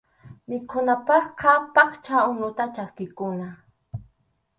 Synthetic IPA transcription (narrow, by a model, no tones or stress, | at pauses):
mɪkʰʊnapɑχkʰapɑχt͡ʃaʊnʊt̪at͡ʃaskɪkʊna